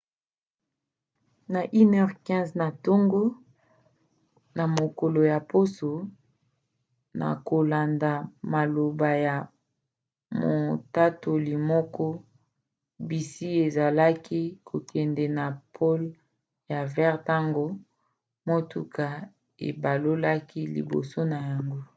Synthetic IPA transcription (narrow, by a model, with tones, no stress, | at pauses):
na˨ʔi˦nɛ˦ʁkɛ̃˦zna˨to˦ŋɡo˦ | na˨mo˨ko˨lo˨ja˨po˦so˨ | na̰˨ko˨la˨nda˨ma˨lo˨ba˨ja˨ | mo˨ta˦to˨li˨mɔ˦kɔ˦ | bi˨si˦e˨za˨la˦ki˦kʰo˨kɛ˨ndɛ˨na˨pʰo˦l | ja˨vɛ˦ʁta˦ŋɡo˦ | mo˦tu˨ka˨ | ḛ˨ba˨lo˦la˦ki˦lḭ˨bo̰˨so˦na˨ja˨ŋɡo˦